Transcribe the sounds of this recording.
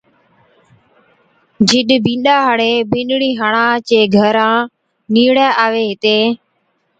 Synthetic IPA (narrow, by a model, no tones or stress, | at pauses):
d͡ʒɪɗbĩːnɗaːɦəɽeːbɪ̃ːɗɽiːɦəɳãːt͡ʃeːɡʱəɾãː | niːɽaːʔaːʋeːɦɪt̪eː